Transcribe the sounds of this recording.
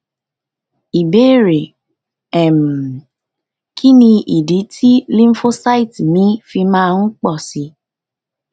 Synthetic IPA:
i˨be˦ɾe˨ | ɛ˨m˨ | kʰi˦nĩ˧i˨di˨˦tʰi˦lĩ˦m˦fo˦sa˦i˦˨ti˨mĩ˨˦fi˧mãː˦ŋ̩˦k͡pɔ˦˨si˧

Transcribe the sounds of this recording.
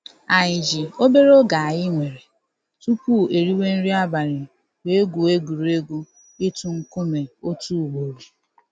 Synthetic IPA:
a˨ɲɪ˨d͡ʒi˨o˦be˦ɾo˦ɡa˨a˨jɪ˦ŋʷe˨ɾe˨ | tu˦pu˦˨e˨ɾi˦we˦n̩˦ɾi˦a˦ba˨ɾɪ˨ | we˦e˦ɡu˨e˦ɡu˨ɾu˨e˦ɡu˦ | ɪ˦tu˦ŋ̩˦kʊ˦me˨o˦tu˦˨wo˨ɾi˨

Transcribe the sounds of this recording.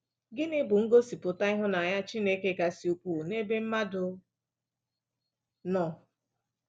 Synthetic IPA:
ɡɪ˦nɪ˦bʊ˨ŋ̩˦ɡo˦si˨pʊ˨ta˦ɪ˦ɦʊ˦na˨a˨ja˦t͡ʃi˦ne˦ke˦ka˨si˨u˨kʷu˨ne˦be˦m̩˦ma˦dʊ˨ | nɔ˨

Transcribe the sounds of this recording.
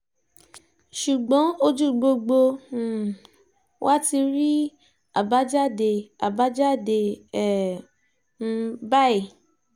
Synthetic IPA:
ʃu˨ɡ͡bɔ̃˨˦o˧d͡ʒu˦˨ɡ͡bo˧ɡ͡bo˧˦˨ | wʔa˦ti˧ɾi˦ | a˨ba˨˦d͡ʒa˦˨de˧˨a˨ba˨˦d͡ʒa˦˨de˧ɛ˦˨ | n̩˧ba˦i˦˨

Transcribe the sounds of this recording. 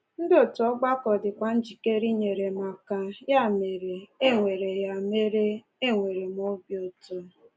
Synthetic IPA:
n̩˦dɪ˦o˨tu˨ɔ˦ɡ͡ba˦kɔ˨dɪ˨kʷa˨n̩˦d͡ʒi˨ke˦ɾi˦ɲe˨ɾe˨ma˨ka˨ja˦˨me˨ɾe˨e˦ŋʷe˨ɾe˨ja˨me˦ɾe˦ | e˦ŋʷe˨ɾe˨m˦o˦bjo˨to˨˦

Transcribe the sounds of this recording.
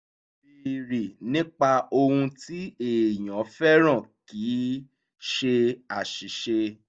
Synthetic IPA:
i˨ɾi˨nĩ˦k͡pa˧o˧hũ˧ti˦e˨j̃ã˨˦fɛ˦ɾ̃ã˦˨kiː˨˦ | ʃe˧a˨ʃi˨˦ʃe˧

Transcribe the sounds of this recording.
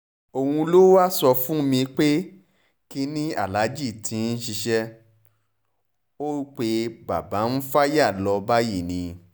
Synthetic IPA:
o˧hũ˧lo˦wa˦sɔ˧fũ˦mĩ˧k͡pe˦ | ki˧nĩ˦a̰˦˨la˨˦d͡ʒi˦˨tʰĩ˨˧˦n̩˦ʃi˧ʃɛ˦ | o˦k͡pe˧ba̰˨ba˨˦n̩˦fa˦ja˦˨lɔ˧ba˦ji˦˨nĩ˨˧

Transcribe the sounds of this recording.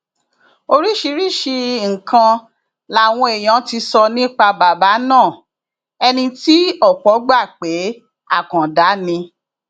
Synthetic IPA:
o˧ɾi˦ʃi˧˦ɾi˦˨ʃi˧ŋ̩˨kã˧ | la˨w̃ɔ̃˧e˨j̃ã˨˦ti˧sɔ˧nĩ˦k͡pa˧ba˨ba˨˦nãː˦˨ | ɛ˧nĩ˧ti˦ɔ˦˨k͡pɔ˨˦ɡ͡ba˦˨k͡pe˨˦ | a˦˨kã˨da˨˦nĩ˧

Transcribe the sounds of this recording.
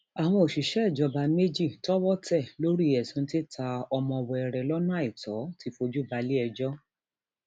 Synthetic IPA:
a˨w̃ɔ̃˧o˨ʃi˨ʃɛ˦ɛ˦˨d͡ʒɔ˨˧ba˧˦me˦d͡ʒi˦˨tɔ˦wɔ˦tɛ˦˨lo˦ɾi˦ɛ˨sũ˧˦ti˦tʰa˧ɔ˧mɔ̃˧ɔ˨˧wɔ˧ɛ˨ɾɛ˨lɔ˦nã˦a˦i˦˨tɔ˨˦ti˧fo˧d͡ʒu˦ba˧li˦ɛ˧d͡ʒɔ˦

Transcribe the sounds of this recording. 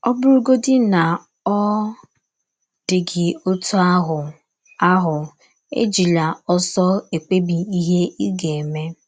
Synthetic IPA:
ɔ˦bʊ˦ɾu˦ɡo˦dɪ˦na˨ | ɔ˦ | d̥ɪ˨ɡɪ˨o˦tu˦a˦ɦʊ˨ | a˦ɦʊ˨ | ḛ˦d͡ʒi˨la˨ɔ˦sɔ˦e˨k͡pe˦bi˨i˦ɦe˦i˦ɡe˨me˦

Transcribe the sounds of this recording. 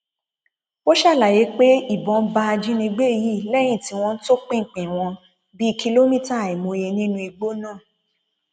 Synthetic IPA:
o˦ʃa˦˨la˨je˨˦k͡pe˦i˦˨bɔ̃˨˧˦ba˧a˧d͡ʒĩ˦nĩ˧ɡ͡be˦˨ji˦˨lɛ˦j̃ĩ˦˨ti˨˦w̃ɔ̃˧n̩˦to˦k͡pĩ˦ŋ̩˨k͡pĩ˨w̃ɔ̃˧ | bi˦˧kʰi˧lo˦mĩ˦˨ta˦˨i˨mo˧je˧nĩ˦nũ˧˦i˧ɡ͡bo˦nãː˦˨

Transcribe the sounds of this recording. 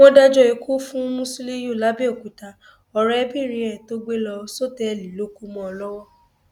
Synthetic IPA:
ɔ̃˦da˦d͡ʒɔ˦˨e˧kʰu˦fũ˦mũ˦si˦le˦jo˦˨la˦bi˦o˦˨ku˨ta˧ | ɔ˨ɾɛ˦bi˦˨ɾi˨˦ɛ˦˨to˦ɡ͡be˦lɔ˧so˦tɛ˦˨li˨lo˦ku˦mɔ̃˧ɔ˧lɔ˦wɔ˦

